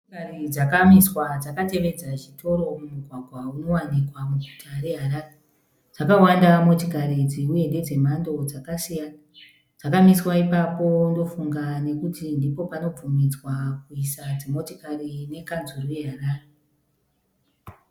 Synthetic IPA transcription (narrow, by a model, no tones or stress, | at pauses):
karid͡zakamiswad͡zakate̞ʋe̞d͡zaʒitʰo̞ɾo̞mumuɡʱwaɡʱwauno̞wanikwamuɡʱutʰaɾe̞ɦaɾaːre | d͡zakawandamo̞tikaɾid͡ziuje̞nde̞d͡ze̞mando̞d͡zakasijana | d͡zakamiswaipapo̞ndo̞fuŋɡane̞kutindipo̞pano̞b͡vumid͡zwak̚uisad͡zemo̞tokarine̞kanzuruje̞ɦaraːre